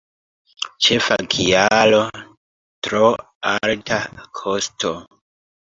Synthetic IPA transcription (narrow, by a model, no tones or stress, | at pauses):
t͡ʃe̞fa̰kʰialo | tɾo | altʰakʰostʰo